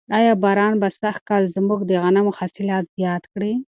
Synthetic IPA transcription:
ɑjɑbɑɾɑnbasax̚kɑlzmuɡd̪əɣanamʊhɑsɪlɑt̪zjɑd̪kɽi

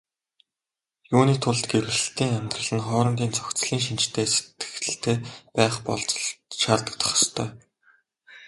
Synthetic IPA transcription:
juːniːt̪ʰʊɮt̪ɡeɾwɘ̆sɘ̆ɬt̪iːŋamʲt̪rə̆ɮə̆nχɔːɾɞ̆mɡ̪ʲiːnt͡sɵ̥kt͡sɮiːŋʃint͡ɕt̪ʰeːse̥t̪ɡɘ̥̆xtɘ̆ɬt̪ʰeːpæːχpɔ̰ɮt͡sʃaːt̪ə̆t̪ʰɔ̥χ̆st̪ʰœː

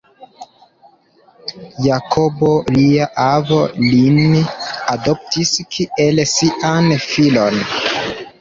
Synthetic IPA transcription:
jakʰo̞bo̞liaʔavo̞linado̞p̚tiskʰiʔelsiʔanfilon

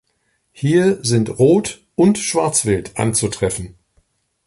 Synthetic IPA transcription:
hiːɐzɪntʁoːt | ʔʊntʃv̥aɐt͡sv̥ɪltʔa̰nt͡sutʁ̥ɛfn̩

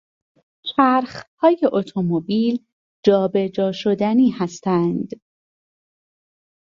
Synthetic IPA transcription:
t͡ʃʰæɾxhɒːjeʔot̪ʰo̞mobiːl | d͡ʒɒːbe̞d͡ʒɒːʃo̞d̪æniːhæst̪ænd̪̥

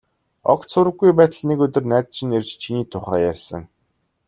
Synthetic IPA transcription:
ɔ̰k̪sʰʊɾə̆ɡːujpæːt̪ə̆ɮnekɵt̪ɵ̆rnæːt̪t͡ɕɪ̆nerʲt͡ɕt͡ɕʰiniːt̪ʰʊχæːjærʲsə̰̆ŋ

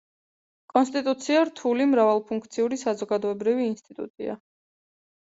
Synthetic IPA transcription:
kʼɔns̬t̪ʼit̪ʼut̪sʰiaɾt̪ʰulimɾavalˠpʰuŋkʰt̪sʰiuɾisazɔɡad̪ɔɛbɾiviːnst̪ʼit̪ʼṵt̪ʼḭa̰

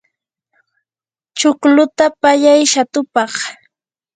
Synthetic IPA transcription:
t͡ʃʊklʊt̪apaʎajʃat̪ʊpɑχ

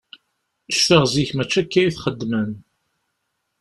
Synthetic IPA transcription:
əʃfəʁziçmæt͡ʃːækːæjiθχəd̪ːmən

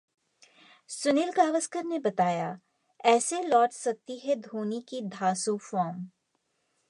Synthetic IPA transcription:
sʊnɪlɡaːʋəskəɾnebɐt̪aːja | ɛːselɔːʈsɐk̚t̪iɦɛd̪ʱuːnikid̪ʱaːsufɔːɾm

